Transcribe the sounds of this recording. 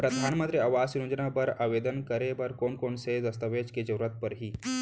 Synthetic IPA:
pɾəd̪ʱanmət̪ɾeaʋasiɾod͡ʒənabəɾaʋed̪ənkəɾebəɾkoɳkoɳsed̪əst̪əʋed͡ʑked͡ʑəɾuɾat̪̚pəɾɦiː

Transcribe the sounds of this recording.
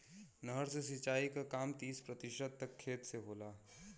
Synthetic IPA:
nəɦəɾsesit͡ʃaːikakaːmt̪iːspɾət̪iʃəd̪̚t̪əkʰːeːt̪seɦoːlaː

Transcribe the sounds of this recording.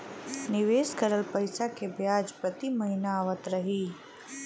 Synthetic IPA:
nɪʋeːskəɾəlpəɪsakebjaːd͡ʒpɾət̪imɐɦinaːʋət̪ɾəɦiː

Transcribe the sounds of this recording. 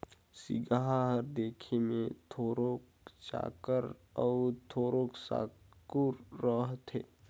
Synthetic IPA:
sɪ̰ɡaɦaɦəɾd̪eːkʰemẽt̪ʰoːɾok | t͡ʃa̰ːkəɾ | ɔt̪ʰoːɾoksa̰ː | kuɾːəɦt̪ʰḛː

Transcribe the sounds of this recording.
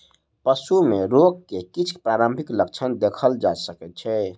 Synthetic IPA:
pəsumeɾoɡ̚kekit͡ʃʰpɾaɾəmbʱiklək̚t͡ʃʰənd̪ekʰəld͡ʒasəkɛt̪̚t͡ʃʰɛ

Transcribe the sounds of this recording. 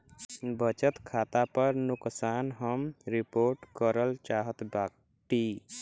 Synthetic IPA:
bət͡ʃət̪kʰat̪apəɾnʊksanɦəmɾipoɾʈkəɾəlt͡ʃaɦət̪bak | ʈi

